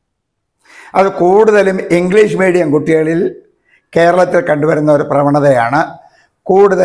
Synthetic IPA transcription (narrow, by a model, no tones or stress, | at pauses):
ɐðɨkuːɽuðɐlumiŋɡliːʂɨmiːɽijɐmkuʈːiɣɐɭil | ke̞ːɾɐɭɐt̪ːilkɐɳɖuʋɐɾunːɐo̞ɾuprɐʋɐɳɐðɐjaːɳɨ | kuːɽuðɐ